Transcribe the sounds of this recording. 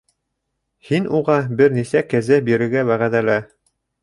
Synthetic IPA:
hinuʁɑbɘɾnisækæzæbiɾɘ̆ɾɡæwæʁæðælæ

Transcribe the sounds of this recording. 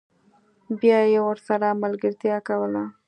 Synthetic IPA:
bjɑjewəɾsaɾamalɡəɾt̪jɑkawəla

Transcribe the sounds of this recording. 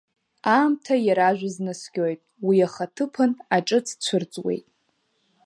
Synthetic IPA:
aːmtʰajaɾaʒᶣʷaznɨskʲojtʼwiaχatʰɨpʰɨnaʈ͡ʂʼɨt͡sʰt͡ɕʷʰʊrt͡sʼwḛjtʼ

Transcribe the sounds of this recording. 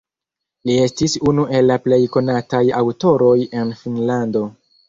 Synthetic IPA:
lie̞stisunuʔe̞lːaple̞jko̞natajawto̞ɾo̞je̞nfinlando̞

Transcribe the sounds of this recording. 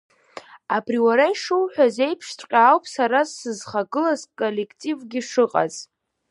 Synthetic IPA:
apʰriwaɾajʂɨwħʷᶣaze̞jpʰʂtʷʼqʲʼaːwpʰʼsaɾasːɨzχaɡɨlasʼkʼole̞kʰʼtʼivɡʲiʂɨqʼa̰z

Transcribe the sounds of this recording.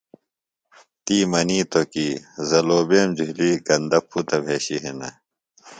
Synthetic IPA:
t̪iːmɐniːt̪okiːzɐloːbeːmd͡ʑuɦliɡɐnd̪ɐpʰːut̪ɐbʱeːɕiɦenɐ̰

